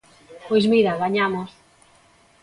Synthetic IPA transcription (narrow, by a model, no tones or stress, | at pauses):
pojzmiɾaβaɲamos